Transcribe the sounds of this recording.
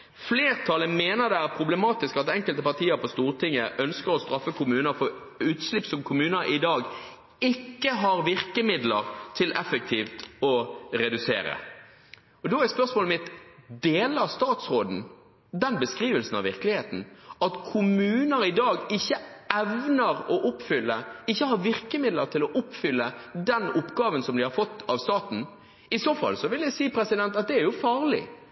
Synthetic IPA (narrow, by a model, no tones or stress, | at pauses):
fleːʁt̪ʰɑləmeːnəʁd̪ɛæɾpʰɾʊblɛmɑːt̪ɪskɑt̪ɛŋkəlt̪əpɑʁt̪ʰiːəɾpɔst̪uːʁt̪ʰɪŋːəʔœnskəɾɔst̪ɾɑfːəkʊmʉːnəɾfɔ | ʉːt̪slɪpːsɔmkʰʊmʉːnəɾʔɪd̪ɑːɡ | ɪkːəɦɑɾʋɪʁkəmɪd̪ləʁt̪ʰɪlʔɛfək̚t̪ʰiːft̪ɔɾɛd̪ʉseːɾə̰ | ɔd̪ɔæspœʁsmoːləmɪt̪d̪eːləɑst̪ɑːt̪sʁoːd̪n̩ | d̪ɛnbəskɾiːʋəlsən̩ɑ̰ʋɪʁkəlɪheːt̪n̩ɑt̪kʰʊmʉːnəɾɪd̪ɑːɡɪçːəɛʋnəɾɔʔʊpfʏlːəɪçːəhɑɾʋɪʁkəmɪd̪ləɾt̪ʰɪlɔʔʊpfʏlːəd̪ɛnʊpːɡɑːʋənsɔmd̪ɪhɑɾfɔt̪ːɑʋst̪ɑːt̪n̩ | ɪsoːfɑ̰lsɔʋɪljæɪsiːpʰɾɛsɪd̪ɛnt̪ɑt̪̚d̪ɛæɾjʊfɑːʁlɪ̰